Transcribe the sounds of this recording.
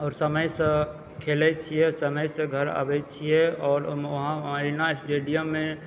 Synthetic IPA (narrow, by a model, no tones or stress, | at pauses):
ɔːɾsəməjsə̃ | kʰelɛt͡ʃʰijɛsəməjsə̃ɡʱəɾa̰bɛt͡ʃʰijɛɔːɾəɦãɾinasʈeɖijəmːẽ